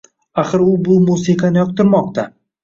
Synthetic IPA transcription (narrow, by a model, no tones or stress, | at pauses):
aχɨɾʊbʊmusɪqʰɑnɪjɒq̚t̪ɪɾmɒq̚t̪ʰa